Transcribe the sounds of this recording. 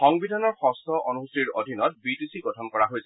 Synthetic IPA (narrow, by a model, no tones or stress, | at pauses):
xɔŋbidʱanɔɹxɔstʰɔʔonuusiɹodʱinɔt̚bitisiɡɔtʰɔnkɔɹaɦojsɛ